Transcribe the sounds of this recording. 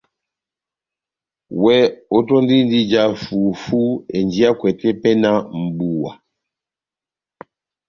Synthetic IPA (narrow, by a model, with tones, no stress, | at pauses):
wɛ˦o˦tɔ˦n˦di˦n˦di˦d͡ʒa˦fu˨fu˦ḛ˨nd͡ʒi˦a˦kwɛ˨tɛ˦pɛ˦na˦m̩˨bu˨wa̰˨